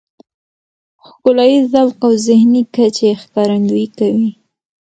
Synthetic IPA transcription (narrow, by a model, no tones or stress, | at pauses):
xkʊlɑjizalqawzɪhnikat͡ʃexkɑɾand̪uikawi